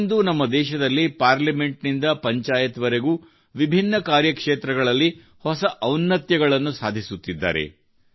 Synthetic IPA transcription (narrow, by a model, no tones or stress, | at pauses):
nd̪unɐmːɐd̪ɛːʃɐd̪ɐlːipaːɾlɐme̞ɳʈnind̪ɐpɐɲt͡ʃaːjɐt̪ʋɐɾeɡuː | ʋibʱinːɐkaːɾjɐkʂeːt̪ɾɐɡɐɭɐlːi | hɔsɐʔɐwnːɐt̪jɐɡɐɭɐnːusaːd̪ʱisut̪ːid̪ːa̰ːɾe̞̰